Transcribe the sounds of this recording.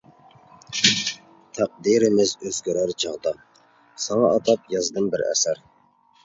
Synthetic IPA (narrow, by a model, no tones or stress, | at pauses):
t̪ʰæq̚d̪iɾɪmɪzøzɡʲyɾæɾt͡ʃʰɑʁd̪ɑ | sɑŋɑʔːt̪ʰɑp̚jɑzd̪ɨmbɪɾæ̰sæɾ